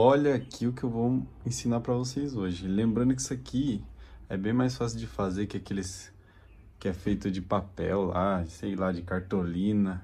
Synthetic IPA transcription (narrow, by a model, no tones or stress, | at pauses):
ɔʎɐːkʰiʊkɪewvow | ẽsĩnaɾpɾɐvosejzoʒɪlẽmbɾɐ̃nd̪ʊki̥sɐkʰiɛbẽj̃majsfasɪʊwd͡ʒɪfazeɾkɪakelɪs | kɪɛfejt̪ʊd͡ʒɪpapɛwla̰sejlad͡ʒɪkaɾt̪olĩnɐ